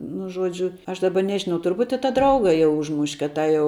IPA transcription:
nʊ ˈʒuɔd͡ʒʲʊ ɐʃ ˈdɑːbɐ ˈnʲæːʒʲɪnɐʊ tʊrˈbuːtʲ ɪ tɑː ˈdrɐʊɡɐ jɛʊ ˈʊʒmʊʃʲ kɐt ˈtɑː jɛʊ

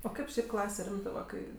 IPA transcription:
oː ˈkɐɪp ˈʃʲɛɪp ˈklˠɑːsʲɛ ˈrʲɪmtɜ ʋɐ ˈkɐɪ

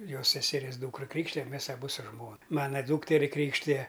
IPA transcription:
ˈjoːs sʲɛsʲɛˈrʲiɛs ˈduːkrɐ ˈkrʲiːkʃʲtʲɪjɛm ˈmʲɛs ɐˈbʊ sʊ ˈʒmoːnɐ ˈmɑːnɐ ˈduːktʲɛrʲɪ ˈkrʲiːkʃʲtʲɪjɛ

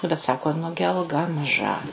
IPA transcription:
nʊ bʲɛt ˈsɑːkoː ˈnʊɡʲɪ ɐlˠˈɡɐ mɐˈʒɐ

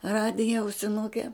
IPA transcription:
ˈrɑːdʲɪjɛ ɐʊsʲɪˈnʊkʲɛ

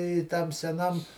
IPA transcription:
ɪ ˈtɐm sʲɛˈnɐm

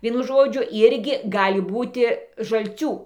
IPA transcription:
ˈʋʲiɛnʊ ˈʒoːd͡ʒʲʊ ˈɪrʲɡʲɪ ˈɡɑːlʲɪ ˈbuːtʲɪ ʒɐlʲˈt͡sʲuː

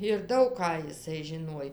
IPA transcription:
ɪr ˈdɐʊk kɑː jɪˈsɐɪ ʒʲɪˈnuɔj

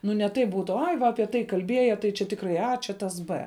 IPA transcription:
ˈnʊ nʲɛ ˈtɐɪp ˈbuːtʊ ˈɐɪ ˈʋɐ ɐˈpʲiɛ tɐɪ kɐlʲˈbʲiɛjɛ tɐɪ t͡ʃʲɛ ˈtʲɪkrɐɪ ɐ ˈt͡ʃʲɛ tɐs ˈbɘ

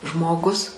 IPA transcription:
ˈʒmoːˌɡʊs

